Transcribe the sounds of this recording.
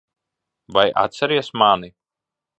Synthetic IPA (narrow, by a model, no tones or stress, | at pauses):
vaja̰t̪sɛɾiɛsmani